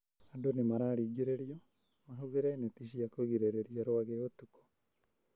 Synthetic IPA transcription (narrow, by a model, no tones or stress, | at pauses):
adonemaɾaːɾiɡiɾeɾiɔ | maɦuðeɾaenetiʃiakoɣiɾeɾeɾiaɾoaɣeotukɔ̥